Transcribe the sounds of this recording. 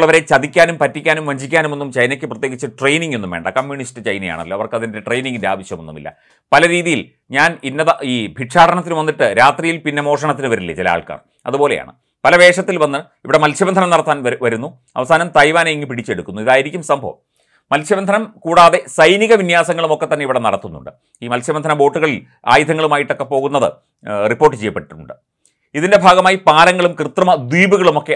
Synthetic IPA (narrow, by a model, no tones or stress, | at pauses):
ɭːɐʋɐɾe̞t͡ɕɐd̪ikʲːaːnumpɐtːikʲːaːnumʋɐɲd͡ʑikʲːaːnume̞nːumt͡ɕɐjnɐkʲːɨprɐt̪jeːɡit͡ɕːɨʈrejniŋɡe̞nːumʋeːɳɖɐ̰kɐmjuɳistɨt͡ɕɐjnɐja̰ːɳɐ̰lːoɐʋɐrkɐðindeʈrejniŋɡindea̰ːʋɐɕjɐmenːumḭlːɐ̰ | pɐlɐɾiːðijil | ɲaːninːɐðɐiːbʱiʈʂaːɽɐɳɐt̪ːinɨʋɐnːiʈːɨɾaːt̪rijilpinːemo̞ːʂɐɳɐt̪ːinɨʋɐɾilːɐ̰t͡ɕilɐa̰ːɭka̰ːr | ɐ̰ðupo̞ːleja̰ːɳɨ̰ | pɐlɐʋe̞ːʂɐt̪ːilʋɐnːɐ | iʋiɽe̞mɐlʰjɐbɐnd̪ʱɐnɐmnɐɽɐt̪ːaːnʋɐɾunːu | ɐ̰ʋɐsaːnɐmt̪ɐjʋaːnejiŋːipiɽit͡ɕːe̞ɽukːunːuiðaːjiɾikʲːumsɐmbʱɐ̰ʋɐ̰m | mɐlsʰjɐʋɐnd̪ʱɐnɐmkuːɽaːðe̞sɐjniɣɐʋinjaːsɐŋːɐɭumo̞kːe̞t̪ːɐnːeiʋiɽenɐ̰ɽɐt̪ːunːṵɳɖɨ | iːmɐlsjɐʋɐnd̪ʱɐnɐbo̞ːʈːuɣɐɭil | a̰ːjid̪ʱɐŋːɐɭumaːjiʈːo̞kːepːo̞ːɣunːɐðɨ̰ | ripːo̞ːrʈ̬ːɨt͡ɕejːɐpːeʈːṵɳɖɨ | iðinde̞bʱaːɡɐmaːjipaːlɐŋːɐɭumkrɨt̪ːrɐmɐd̪wiːbuɣɐɭumo̞kːe